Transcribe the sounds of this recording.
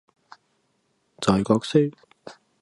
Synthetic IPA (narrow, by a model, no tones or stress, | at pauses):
t͡sɔːjkɔːk̚sek